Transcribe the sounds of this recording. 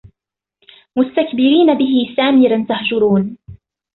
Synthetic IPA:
mʊst̪akbɪɾiːnabɪɦɪsaːmɪɾant̪ahd͡ʒʊɾuːn

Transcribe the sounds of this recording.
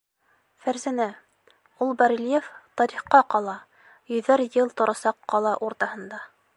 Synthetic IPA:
fæɾzænæ | ulˠbɑɾʲilʲjeft̪ɑɾiχqɑqɑlˠɑ | jɵ̆ðæɾjɤlˠt̪ŏɾɑsɑqːɑlˠɑʔuɾt̪ɑhɤ̆nd̪ɑ

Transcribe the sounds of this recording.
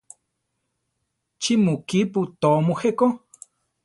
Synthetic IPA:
t͡ʃimukiput̪omuheʔko

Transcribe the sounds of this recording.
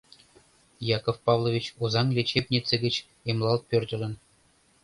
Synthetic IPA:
jɑkofpɑvlˠovʲit͡ɕuzɑŋlʲet͡ɕep̚ʲnʲit̪t͡sĕɡʲɘ̆t͡ɕ | emlˠɑlˠt̪̚pʲørʲdʲɘ̆lʲɘ̆n

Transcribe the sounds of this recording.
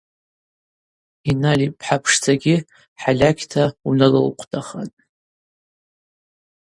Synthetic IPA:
inalipʰħapʰʂt͡sʰaɡʲɪ | ħalʲakʲʰtʰaunɨlɨlqʷʰtʰaχa̰n

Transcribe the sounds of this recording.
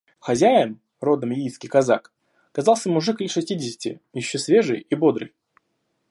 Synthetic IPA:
xɐzʲæjɪn | ro̞d̪əmjijskʲijkɐzak | ɐkɐzɑlˠsʲəmʊʐɨkəʂɨsʲtʲidʲɪsʲɪ̥tʲɪ̰jɪɕːosvʲe̞ʐɨjibo̞d̪ɾɨ̰j

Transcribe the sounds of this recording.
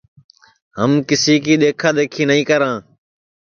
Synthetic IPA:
ɦəmkɪsiːkiːɗ̪eːkʰaːɗ̪eːkʰiːnəĩːkəɾãː

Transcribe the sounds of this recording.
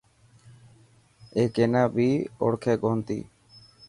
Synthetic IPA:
ekɛnabiɔ̰ɽkʰeɡɔɦnt̪ḭ

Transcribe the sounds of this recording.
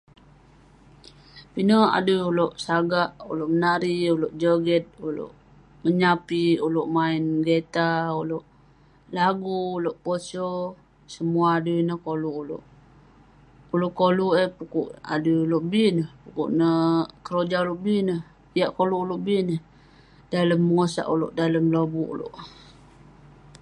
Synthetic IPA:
pinəa̰dujuloʔsaɡaʔuloʔmənaɾiuloʔd͡ʒəɡɛt̪̚ulo̰ʔ | məɲapiuloʔmainɡet̪auloʔ | laɡuːloʔposo | səmuaːdunəhkoluulo̰ʔ | uloʔkoluʔəpukuʔa̰duuloʔbinəhpukṵʔnəkəɾod͡ʒauloʔbinəh | ijaʔkoluʔuloʔbinəh | daləmːəŋosa̰ʔuloʔdaləmlobuʔṵlo̰ʔ

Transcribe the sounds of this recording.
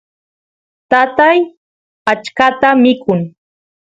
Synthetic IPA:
t̪at̪aj | at͡ʃkat̪amɪkʊŋ

